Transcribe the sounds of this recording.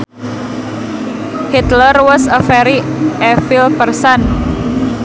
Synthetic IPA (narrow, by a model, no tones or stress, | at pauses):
hit̪lərwɔsəfɛɾiʔɛfilpərsən